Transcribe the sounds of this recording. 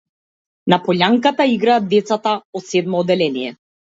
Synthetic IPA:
napɔʎaŋkat̪aiɡɾaːd̪̚d̪ːɛt̪sat̪aɔt̪sɛd̪mɔːd̪ɛlɛnijɛ

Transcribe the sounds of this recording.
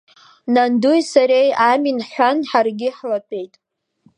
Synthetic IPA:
nandujsaɾejaminħʷᶣanħarɡʲɪħlatʼe̞jtʼ

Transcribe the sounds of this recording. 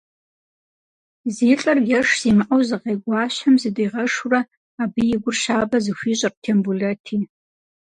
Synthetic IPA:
ziːt͡ɬʼɐrɡʲɐʂz̥imɨʔawzɨqejɡʷaːɕɐmzɨdijʁɐʂurɐ | abɨjɪɡʷʊrʃaːbɐzɨxʷiːɕʼɐrtʰembuletʰiː

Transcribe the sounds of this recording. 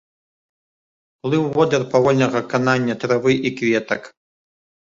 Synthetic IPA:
plˠɨwvɔd̪ʲɛrpavɔlʲnɐɣɐkananʲːɐt̪ɾavɨʔikvʲɛt̪ɐk

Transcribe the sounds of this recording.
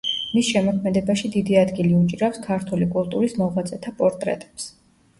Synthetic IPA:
misʃɛmɔkʰmɛd̪ɛbaʃid̪id̪iad̪ɡiliut͡ʃʼiɾafskʰaɾt̪ʰulikʼulˠt̪ʼuɾismɔʁat̪sʼɛt̪ʰapʼɔɾt̪ʼɾɛ̰t̪ʼɛ̥ps

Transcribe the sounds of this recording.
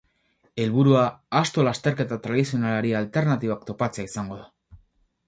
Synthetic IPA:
e̞lβuɾuaːst̪o̞last̪e̞ɾke̞t̪at̪ɾaðisio̞nalaɾialt̪e̞ɾnat̪iβ̞akt̪o̞pat͡seaisaŋɡo̞ða

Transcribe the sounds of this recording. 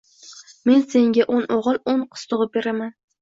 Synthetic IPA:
me̞nse̞ŋɡʲaʔonʔoʁɨlˠonqʰɨ̥st̪ʰʊʁɨp̚be̞ɾaman

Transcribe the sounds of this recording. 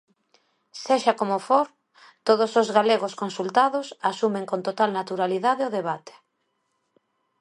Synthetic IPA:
seʃakomofoɾ | t̪oðosozɣaleɣoskonsult̪aðʊsasumeŋkont̪ot̪alnat̪uɾaliðaðeoðeβat̪e̥

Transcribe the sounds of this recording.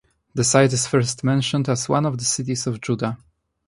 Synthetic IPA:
ðəsajtɨsfɛɹst̪mɛ̃nʃɔ̃ndæswã̰nɔvðəsɪt̪̬isɔvd͡ʒuda

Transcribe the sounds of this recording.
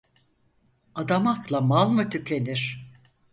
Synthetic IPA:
ad̪amaklˠamalˠmɯt̪ʰycʰʲe̞niɾ̥

